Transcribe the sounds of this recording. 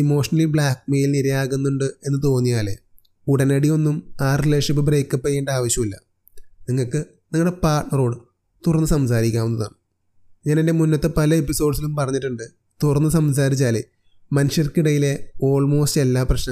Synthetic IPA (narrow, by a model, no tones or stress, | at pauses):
imo̞ːʂɐnɐlibɭaːkmeːjilniɾɐjaːɣunːuɳɖɨe̞nːɨt̪̬o̞ːnːijaːle̞̰ | uɽɐnɐɽijo̞nːumaːrileːʂɐpːɨbre̞ːkːɐpːɐjeːɳɖaːʋɐɕjɐmilːɐ̰ | niŋːɐɭkɨ | niŋːɐɨɽepaːrʈnɐro̞ːɽɨ | t̪urɐnːɨsɐmsaːɾikʲːaːʋunːɐða̰ːɳɨ | ɲaːnende̞munːɐt̪ːe̞pɐlɐe̞pːiso̞ːɖsilumpɐrɐɲːiʈːuɳɖɨ | t̪urɐnːɨsɐms̬aːɾit͡ɕːaːlḛ | mɐnuʂjɐrkiɽɐjile̞o̞ːɭmo̞ːstelːaːprɐɕnɐ